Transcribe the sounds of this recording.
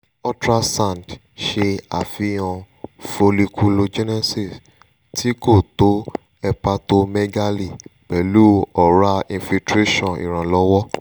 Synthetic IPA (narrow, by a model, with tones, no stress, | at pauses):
ɔ˦tɾa˦sã˦˨nd | ʃe˧a˨fĩ˨˦ɔ̃˧ | fo˧li˧kʰu˧lo˧d͡ʒɛ˦nɛ˦si˨s | ti˦ko˦˨to˦ | ɛ˧pa˧to˧mɛ˦ɡa˦li˨k͡pɛ˨lu˦ɔ˨ɾa˦ĩ˧fi˧tɾe˦ʃɔ̃˦˨ḭ˨ɾ̃ã˨lɔ˦wɔ˦